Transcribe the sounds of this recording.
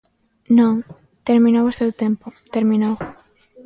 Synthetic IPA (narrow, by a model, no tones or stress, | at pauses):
nõŋ | t̪eɾmĩnowʊsewt̪empʊt̪eɾminow